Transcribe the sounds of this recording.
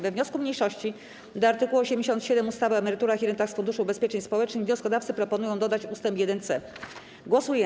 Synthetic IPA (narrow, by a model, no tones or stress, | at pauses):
vɛvɲɔskumɲejʂɔɕt͡ɕi | d̪ɔaɾt̪ɘkuwɔɕemd͡ʑeɕɔnt̪ɕɛd̪ɛmust̪avɘvɛmɛɾɘt̪uɾaxʲiɾɛnt̪axsfund̪uʂuːbɛspʲjet͡ʂɛɲspɔwɛt͡ʂnɘxvɲɔskɔd̪afsɘpɾɔpɔnujɔ̃w̃d̪ɔd̪at͡ɕust̪ɛmpjɛd̪ɛnt̪sɛ | ɡwɔsujɛ